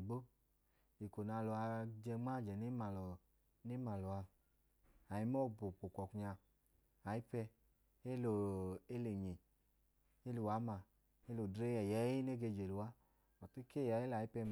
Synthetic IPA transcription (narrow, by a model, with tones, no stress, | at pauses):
ɡ͡bo˦ | i˨ko˨na˧lo˨a˧d͡ʒɛ˧ŋ͡ma˦˨d͡ʒɛ˨ne˦ma˨lɔ˨ | ne˦ma˨lɔ˨a˧ | a˨ji˦mɔ˦˨bo˨k͡po˨kɔ˨ku˨ɲa˧ | a˨i˦pɛ˧ | e˦lo˨e˦le˨ɲi˨ | e˦lu˨wa˨˦ma˨ | e˦lo˨dɾe˦jɛ˨jɛ˨˦ji˦ne˦ɡe˧˨d͡ʒe˨lu˨wa˦ | ɔ˨ti˦ke˦˨ja˨˦e˦la˨˦i˦pɛ˧m˨